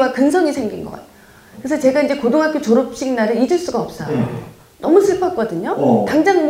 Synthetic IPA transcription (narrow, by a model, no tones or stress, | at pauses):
wakɯnsʰʌŋisʰe̞ŋɡinɡʌ̰k͈a̰tʰ | kɯesʰʌt͡ɕe̞ɡaind͡ʑe̞kodoŋɦak͈ʰot͡ɕoɾop̚ɕ͈iŋnaɾɯɾid͡ʑɯɭs͈uɡaʌp̚s͈ʌ | nʌmusʰɯɭk͈ʰʌk͈ʌdɯɲotaŋd͡ʑaŋm